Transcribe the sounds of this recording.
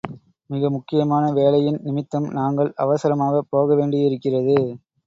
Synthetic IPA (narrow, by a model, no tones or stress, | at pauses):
mɪɣɐmʊkːɪjɐmaːnɐʋeːɭɐjɪnnɪmɪt̪ːɐmnaːŋɡɐɭɐʋɐsɐɾɐmaːɣɐpoːɣɐʋeːɳɖɪɪɾɯkːɪrɐðɯ